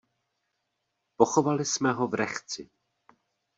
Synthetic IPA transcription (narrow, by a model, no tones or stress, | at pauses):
po̞xovalɪsmɛɦo̞vɾɛxt͡sɪ